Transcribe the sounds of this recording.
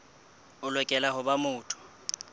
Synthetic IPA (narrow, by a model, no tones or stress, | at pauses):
ʊlwɛkʼɛlaɦʊbamʊːtʰʊ̥